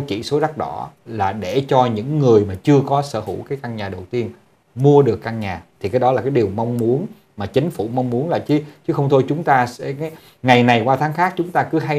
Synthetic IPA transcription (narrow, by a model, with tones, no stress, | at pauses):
kḭ˧˩˨so˨˦ɗa˦˥k̚ɗɔ˧˦laː˨˩ɗe˧˩t͡ɕɔ˧ɲɨ̰˧˥ŋːɨ˨˩əjmaː˨˩t͡ɕɨ˧əkɔ˨˦sə̰ː˧˩fṵ˧˩kaː˨˦jka˧ŋɲaː˨˩ɗə˨˩wt̪i˧ən | mu˧əɗɨ˨˩ə˩kːa˧ŋɲaː˨˩t̪ʰi˨˩kaː˨˦jɗɔ˨˦laː˨˩kaː˨˦jɗi˨˩əwma˧wŋ͡mmu˨˦ən | maː˨˩t͡ɕï˨˦ŋ̟fu˧˩ma˧wŋ͡mmu˨˦ənlaː˨˩t͡ɕɨ˨˦t͡ɕɨ˨˦xə˧wŋ͡mt̪ʰo˧jt͡ɕʊ˨˦ŋ͡mt̪aː˧sɛ˧˥˨ | ŋa˨˩jna˨˩jkwaː˧t̪ʰaː˨˦ŋxaː˦˥k̚t͡ɕʊ˨˦ŋ͡mt̪aː˧kɨ˨˦ɦa˧j